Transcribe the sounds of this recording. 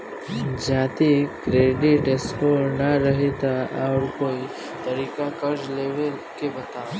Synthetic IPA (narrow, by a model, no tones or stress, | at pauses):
d͡ʒãt̪ikɾeɖiʈeskoɾnaɾəɦet̪aaɾkoi | t̪əɾikakəɾd͡ʒleʋelkebət̪a